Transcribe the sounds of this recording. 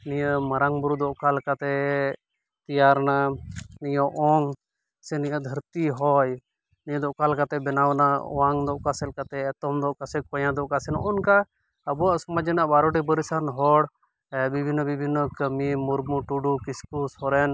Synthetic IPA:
nijəməɾaŋbuɾud̪ɔʔkalkat̪ɛ | t̪ijaɾnanijɔʔɔŋ | sɛnijəd̪ʱəɾt̪iɦɔj | nijəd̪ɔʔkalkat̪ɛbɛnawnaɔ̰waŋd̪ɔʔkasɛlkat̪ɛːt̪ɔmd̪ɔʔkasɛkɔjãd̪ɔʔkasɛnɔʔɔnka | əbuaʔsɔmad͡ʒɛnaʔbaɾɔɖibəɾisanɦɔɽ | bibʱinːɔbibʱinːɔkəmimuɾmuʈuɖukiskusɔɾɛn

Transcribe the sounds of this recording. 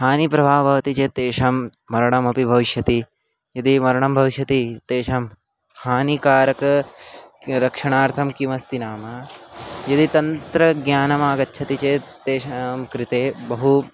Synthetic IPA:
ɦaːnipɾɐbʱaːbʱɐʋɐt̪it͡ʃet̪eːʃɐmː | ɐɾɐɳɐmɐpibʱɐʋiʃjɐt̪i | jɐd̪imɐɾɐɳ̃ɐmbʱɐʋiʃjɐt̪it̪eːʃɐm | haːnikaːɾɐkɐ | ɾɐkʂɐɳaːɾt̪ʰɐmkimɐst̪inaːmɐ | jɐd̪it̪ɐnt̪ɾɐɡjaːnɐmaːɡɐtːʃʰɐt̪it͡ʃet̪eːʃɐmkɾɪt̪eːbɐɦu

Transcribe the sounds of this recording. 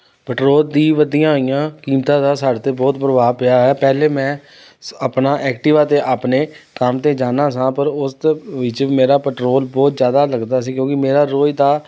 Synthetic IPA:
pəʈɾoːld̪iːʋəd̪ijãːɦoːijãːkiːmt̪ãːd̪aːsaːɽt̪eːbɔːt̪pɾəʋaːpɪaːɦɛːpɛːleːmɛ̃ː | əpnaːʔɛːkʈɪʋaːt̪eːʔaːpneːkəmt̪eːd͡ʒaːnãːsãːpəɾʊsʋɪt͡ʃmeːɾaːpəʈɾoːlbɔːt̪zjaːd̪aːləɡd̪aːsiːkjõːkɪmeːɾaːɾoːid̪aː

